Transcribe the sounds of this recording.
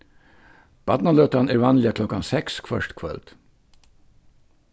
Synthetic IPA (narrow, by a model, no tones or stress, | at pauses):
b̥ɑd̪nɑløːt̪ɑnæːɾʋɑːnlɪəkʰlɔkɑnsɛkskʰʋœʂt̪kʰʋœ̰lt̪